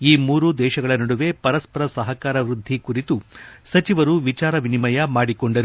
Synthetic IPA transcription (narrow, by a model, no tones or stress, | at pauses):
iːmuːɾud̪ɛːʃɐɡɐɭɐnɐɽuʋe̞pɐɾɐspɐɾɐsɐɦɐkaːɾɐʋɾud̪ʱːikuɾit̪usɐt͡ʃiʋɐɾuʋit͡ʃaːɾɐʋinimɐjɐmaːɽikoɳɖɐɾu